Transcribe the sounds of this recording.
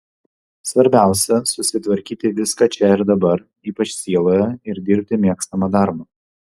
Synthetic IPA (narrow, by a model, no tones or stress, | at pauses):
sʋɐɾʲbʲæˑʊsʲɛsʊsʲɪt̪ʋɐɾʲkʲiːt̪ʲɪʋʲɪskɐt͡ʃʲɛɪɾd̪ɐbɐɾ | iːpɐt͡ʃʲsʲiɛlˠoːjɛɪɾd̪ʲɪɾʲpʲt̪ʲɪmʲiɛkst̪ɐmɑd̪ɑɾmɐː